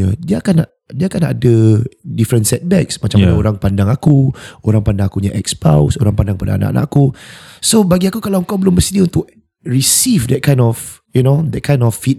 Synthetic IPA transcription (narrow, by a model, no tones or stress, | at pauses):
adiəakanaʔ | diəakana̰dədifɾə̃nsɛt̪̚bɛksmat͡ʃamaɲaoɾaŋpandaŋakuoɾaŋpandaŋakuɲaʔɛkspa̰wsoɾaŋpandaŋpada̰ːna̰ʔa̰na̰ʔakusobaɡiakukalawəŋkawbəlʊmbəsidiunt̪ʊk̚ | ɹisifdɛt̚kʰãj̃nɔf | junodɛt̚kʰãj̃ndɔfːit̚